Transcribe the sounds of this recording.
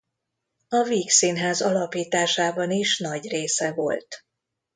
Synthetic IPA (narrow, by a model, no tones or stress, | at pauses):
ɒviːksinɦaːzɒlɒpiːt̪aːʃaːbɒniʃnɒɟreːsɛvo̞̰lt̪